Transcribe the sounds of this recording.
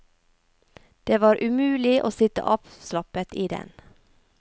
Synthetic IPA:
d̪̥eːʋɑːɾʔʉmʉːlɪʔo̰ːsɪt̪ə̰ʔɑːpslɑpət̪iːd̪ɛ̰n

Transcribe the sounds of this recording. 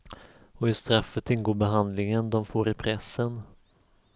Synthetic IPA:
ɔɪst̪ɾafːət̪ɪnːɡoːbɛɦand̪lɪŋənd̪ɔmfoːɾɪpʰɾɛsːən

